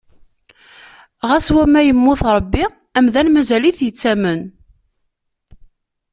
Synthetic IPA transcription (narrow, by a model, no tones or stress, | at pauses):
ʁæswæmæjəmːʊθɾˤəbːi | æmðænmæzæliθjət͡sːæmən